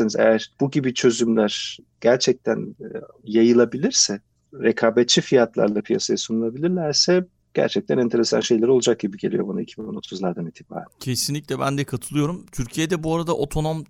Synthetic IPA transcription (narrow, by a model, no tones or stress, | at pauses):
inizḛjæɾ̥b̥uɟibit͡ʃʰø̞zymlʲæɾ̥ | ɟ̥æɾt͡ʃʰɛc̚t̪ʰæn | jajɯlˠabilʲiɾsɛ | ɾekʰaːbɛt̪̚t͡ʃʰːifijat̪lˠa̰ɾlˠapʰija̰sajasunulˠabilʲiɾlʲæɾsɛ | ɟ̥æ̰ɾt͡ʃʰɛc̚t̪ʰænɛnt̪ʰe̞ɾe̞sa̰nʃe̞jlʲeɾio̞lˠud͡ʒak̚ɟ̥ibiɟelʲijo̞bunaicʰibinono̞t̪ʰuzlˠaɾd̪anit̪ʰːiba̰ːɾæ̰ncʰesinlʲiclʲɛbænd̪ɛkʰat̪ʰɯlˠɯjo̞ɾumt̪ʰyɾcʰijed̪ɛbuaɾad̪aʔo̞t̪ʰo̞no̞m